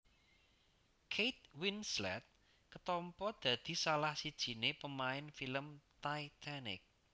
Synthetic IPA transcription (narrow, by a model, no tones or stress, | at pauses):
kʰejt̪̚winslɛ̰t̪̚ | kət̪ɔmpɔd̪̥ä̤d̪̥i̤salahsid̥ʒ̥i̤nepəmaɪnfiləmt̪ait̪ʰanɪ̰k̚